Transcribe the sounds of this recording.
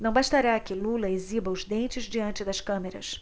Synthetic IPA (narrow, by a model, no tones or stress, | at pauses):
nɐ̃w̃baʃt̪aɾakɪlulɐezibɐʊzd̪ẽnt͡ʃɪzd͡ʒiɐ̃nt͡ʃɪd̪ɐskɐ̃meɾɐ̰s